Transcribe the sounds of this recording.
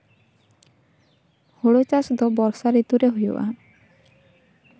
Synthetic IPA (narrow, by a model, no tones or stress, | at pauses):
hoɽot͡ʃasɔd̪ɔbɔɾsaɾit̪uɾeɦujɔ̰ʔa̰